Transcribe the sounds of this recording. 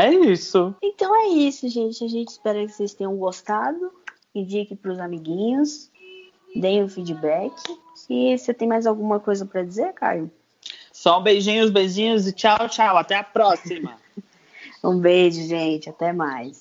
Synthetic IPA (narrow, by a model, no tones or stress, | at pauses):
ɛisʊẽnt̪ɐ̃w̃ɛisʊʒẽt͡ʃɪaʒẽt͡ʃɪ̥spɛɾɐkɪ̥sejst̪ẽj̃ɐ̃w̃ɡost̪ad̪ʊ | ĩd͡ʒikɪpɾʊzamiɡĩɲʊs | d̪ẽj̃ʊfid͡ʒibɛkʰɪ | ɪset̪ẽj̃majzawɡũmɐkojzɐpɾɐd͡ʒizeɾka̰jʊ | sɔ̃bejʒĩɲʊzbejʒĩɲʊzɪt͡ʃawt͡ʃawat̪ɛɐpɾɔsimɐ̰ | ũbeʒʊʒẽt͡ʃɪat̪ɛmajs